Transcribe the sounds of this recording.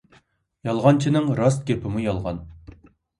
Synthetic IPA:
jɑlˠʁɑnt͡ʃʰinɪŋɾɑs̬t̪̚ɡʲepʰɪmujɑlˠʁɑ̰n

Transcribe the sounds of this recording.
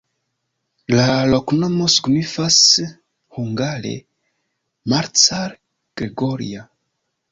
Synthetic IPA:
laloknomo̞su̥ɡnifas | huŋɡaɾḛ | maɾt͡saɾ | ɡ̥ɾeɡoɾḭa

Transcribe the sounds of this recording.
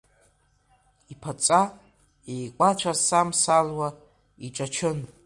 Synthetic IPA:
ipʰat͡sʼa | ejkʷʼat͡ʃʷʰasamsalwa | iʈ͡ʂʼat͡ʃʰɨn

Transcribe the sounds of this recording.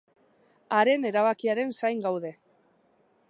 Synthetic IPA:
aɾe̞ne̞ɾaβakiaɾe̞nsajŋɡawðe̞

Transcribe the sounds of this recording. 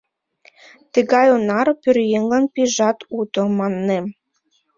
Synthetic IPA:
t̪ɘ̆ɣɑjonɑɾpyrjeŋlɑnpiʒɑt̪ut̪omɑnːem

